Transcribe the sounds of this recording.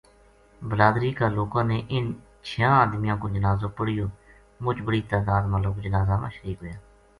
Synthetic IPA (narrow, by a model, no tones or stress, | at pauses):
bəɾaːd̪ɾiːkaːloːkãːneːʔɪn | t͡ʃʰɪjãːaːd̪mɪjãːkõːd͡ʒənaːzõːpəɽɪjoː | mʊt͡ʃbəɽiːt̪aːd̪aːd̪mãːloːkd͡ʒənaːzaːmã̰ːʃəɾiːkɦoːjaː